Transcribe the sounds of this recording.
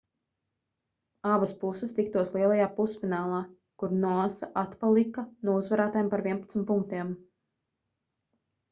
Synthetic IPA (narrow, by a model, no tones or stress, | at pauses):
abaspusɨst̪ikt̪uɔslˠiɛlˠajaːpusfinaːlˠaː | kuɾnuasaʔat̪palˠikanuɔuzvaɾaːt̪aːjmpaɾviɛnpat̪smt̪pːuŋk̚t̪iɛm